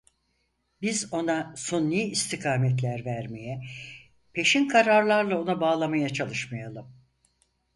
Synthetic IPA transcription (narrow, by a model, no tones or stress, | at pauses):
bizo̞nasonːiist̪ʰikʰaːmɛt̪̬lʲæɾvæɾme̞jɛ | pʰe̞ʃinkʰaɾaɾlˠaɾlˠao̞nabaːlˠamajat͡ʃʰalˠɯʃmajalˠɯm